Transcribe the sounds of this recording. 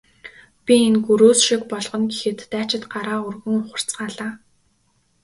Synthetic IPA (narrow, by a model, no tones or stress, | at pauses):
pʲienɡuɾoːsʃikpɔɮʁɞ̆nɡexɘ̆t̪ːæːt͡ɕɪ̆t̪ɢaɾaːɵrɣɵ̆ŋχʊ̥r̥t͡sɢaːɮaː